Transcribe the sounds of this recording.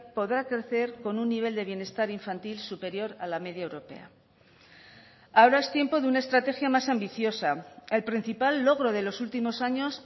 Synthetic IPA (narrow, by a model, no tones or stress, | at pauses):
po̞ðɾakɾe̞θe̞ɾko̞nunːiβ̞e̞ld̪e̞βje̞ne̞st̪aɾiɱfant̪ilsupe̞ɾjo̞ɾalame̞ðjaewɾo̞pe̞̰a̰ | ao̞ɾae̞st̪je̞mpo̞ðunaest̪ɾat̪e̞xjamasambiθjo̞sae̞lpɾin̟θipalːo̞ɣ̞ɾo̞ð̞e̞lo̞sult̪imo̞saɲo̞s